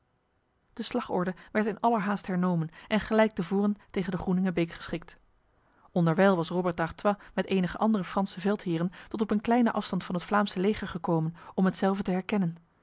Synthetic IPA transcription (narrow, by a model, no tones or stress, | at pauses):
d̥əslɑχɔ̰ɹdəʋɛɹtɪnɑləɹɦaːstɦɛɹnowmənʔɛnχəlɛjk̚təvʊːrəntejχəndəχrunɪŋəbejkχə̥sχɪk̚t | ɔndəɹʋɛjlˠʋɑsrobəɹt̚daχtʋamɛtejnəχəʔɑndərəfrɑnsəvɛlˠtɦɪːrəntɔtɔpənklɛjnəʔɑfstɑntfɑnɦətflaːmsəlejχəɹχəkowmənɔmɦətsɛlˠvətəɦɛɹkɛnən